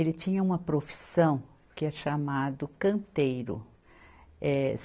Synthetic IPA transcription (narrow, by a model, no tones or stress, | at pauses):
elɪt͡ʃĩɲɐũmɐpɾofi̥sɐ̃w̃ | kɪɛɾʃamad̪ʊkɐ̃nt̪ejɾʊ̰ | ɛs